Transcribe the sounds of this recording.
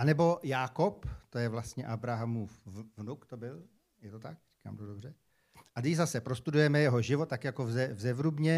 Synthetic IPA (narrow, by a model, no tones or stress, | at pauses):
ʔanɛbo̞jaːkopt̪o̞jɛvlast̪ɲɛʔabɾaɦamuːfvnukt̪o̞bɪl | jɛt̪o̞t̪akriːka̰ːmt̪odobr̝ɛ | ʔadɪzasɛpɾo̞st̪udujɛmɛjɛɦo̞ʒɪvo̞t̪t̪ːakjako̞vzɛvzɛvɾubɲɛ